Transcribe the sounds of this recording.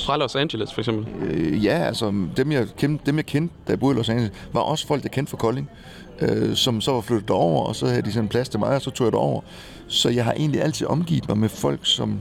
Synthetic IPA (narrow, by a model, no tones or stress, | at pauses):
fʁɑlɒsændilæsfɒeɡ̥sembl̩jæælsɐd̥emjɑ̈kʰend̥emjɑ̈ɪkʰend̥d̥æb̥o̝ðˠlɒsæni | ʋɑ̈ʔɒ̽sfɒl̰ɡ̥djɑ̈kʰen̰d̥fɒ̽kʰɒ̽le̝ŋ | ʔøsɒ̽msɒʋɑ̈flød̥ð̩̥ˠɒʊ̰ɐɒ̽sɒ̽hæðˠəd̥isɒ̽npʰlæst͡sʰe̝mɑ̈ɪɒ̽sɒ̽t͡sʰo̝̰ːjd̥aɒ̰ʊ̰ɐ | sɒ̽jɑ̈ɪɦɑ̈ʔe̝̰ːnliæl̰t͡sʰið̩̰ˠɒ̽mɡ̥ḭːð̥ˠmɑ̈ɪmefɒ̽l̰ɡ̥sɒ̽m